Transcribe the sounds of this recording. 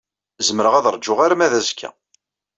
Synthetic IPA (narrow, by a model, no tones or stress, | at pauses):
zəməɾəʁæðɾˤd͡ʒːʊʁaɾæmæðæzkʰːæ̰